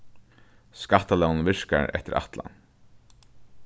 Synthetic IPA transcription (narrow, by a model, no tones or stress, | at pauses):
skat̪ːalɛwnnʋɪʂka̰ɹɛ̰ht̪ɪɾa̰t̪la̰n